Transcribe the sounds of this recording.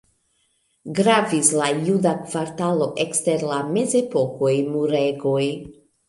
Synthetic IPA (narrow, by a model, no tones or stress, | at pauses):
ɡɾavislajudakv̥aɾtalo̞ʔekste̞ɾlame̞ze̞po̞ko̞jmuɾe̞ɡo̞j